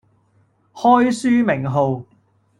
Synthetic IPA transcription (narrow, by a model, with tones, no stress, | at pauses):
hɔː˥jsyː˥mɪ˨˩ŋɦo˨˧w